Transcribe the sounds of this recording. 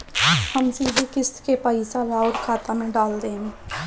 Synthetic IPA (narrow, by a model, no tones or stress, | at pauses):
həmsiːd̪ʱikɪst̪kepəɪsalaːoːɾkʰaːt̪amẽɖaːld̪eːɦe